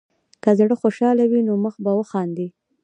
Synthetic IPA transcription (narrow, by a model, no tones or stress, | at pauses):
kazɽəxoʃɑlawinoməxbawəxɑnd̪i